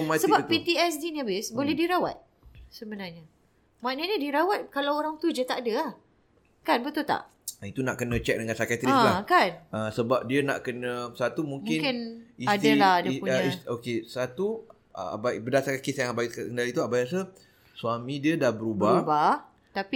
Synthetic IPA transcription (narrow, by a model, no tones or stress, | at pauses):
mãsəbapit̪iɛsdinabɪsbolɛhdiɾawat̪̚ | səbənarɲa | maʔnəʔɲədiɾawat̪̚kalawoɾaŋt̪ud͡ʒət̪aʔadəah | kanbət̪ʊlt̪a̰ʔ | it̪unaʔkənə̃t͡ʃɛk̚dəŋãnsakat̪iãlakanəsəbap̚diəna̰ʔkənəsat̪umũŋkmɪnkɪniad̪alahadaisokesat̪u | a̰a̰babədasaɾkakesjãŋabaikəndalit̪uabajas̬ə | suamĩdiədahbəɾubauba | t̪api